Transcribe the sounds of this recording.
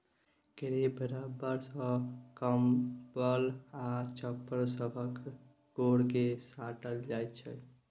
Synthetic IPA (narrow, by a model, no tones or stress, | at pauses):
ɡəɾebəɾabəɾsə̃kəmbəlat͡ʃəpːəɾsəbʱək | ɡoɽkesaʈəld͡ʒajt̪t͡ʃʰɛ